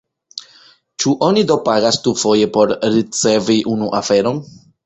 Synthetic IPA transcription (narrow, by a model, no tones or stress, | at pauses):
t͡ʃuʔo̞nido̞paɡastufo̞je̞po̞ɾɾit͡se̞viʔunuʔafe̞ɾo̞n